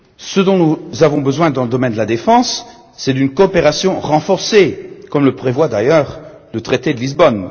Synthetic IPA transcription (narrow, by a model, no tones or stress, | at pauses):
səd̪ɔ̃nuzavɔ̃bəzwɛ̃d̪ɑ̃ləd̪ɔmɛnd̪əlad̪efɑ̃sː | ɛd̪ynkɔːpeʁasjɔ̃ʁɑ̃fɔʁsekɔmləpχevwad̪ajœʁ | lət̪χet̪ed̪əlizbɔn